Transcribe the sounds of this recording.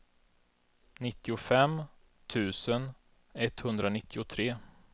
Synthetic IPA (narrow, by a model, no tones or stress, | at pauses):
nɪt̪ːɪʊfɛm | t̪ʰʉ̟ːsən | ɛt̪ːhɵnd̪ɾanɪt̪ːɪʊt̪ʰɾeː